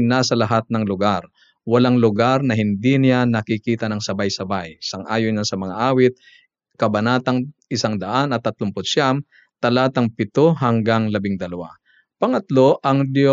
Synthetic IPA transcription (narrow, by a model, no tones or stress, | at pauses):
nasɐlɐɦat̪̚nɐŋlʊɡaɾ | wɐlaŋlʊɡaɾnɐɦɪnd̪inɪjanɐkɪkiːt̪ɐnɐŋsɐbajsɐbajsɐŋʔaːjojnasɐmɐŋaʔaːwɪt̪̚ | kɐbɐnaːt̪ɐŋɪsaŋd̪ɐʔanɐt̪ːɐt̪lʊmpʊt̪ʃam | t̪ɐlaːt̪ɐŋpɪt̪oɦɐŋɡaŋlɐbɪŋd̪ɐlɐwa̰ | pɐŋɐt̪lo̞ʔɐŋd̪jo